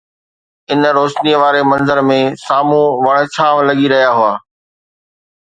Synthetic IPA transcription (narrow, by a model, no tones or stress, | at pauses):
ɪnɾoːʃniəʋaːɾemɐ̃nzəɾmẽsaːmũʋɐɽ̃̆t͡ɕʰãːʋlɐɠiɾɐɦijaɦʊaː